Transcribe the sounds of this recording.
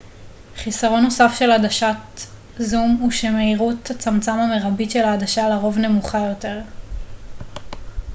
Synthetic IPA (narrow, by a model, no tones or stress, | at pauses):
χisaʁo̞nːo̞safʃe̞ladaʃat | zumuʃemeiʁuthat͡samt͡samame̞ʁabitʃe̞laːdaʃalaʁo̞vne̞muχajo̞te̞ʁ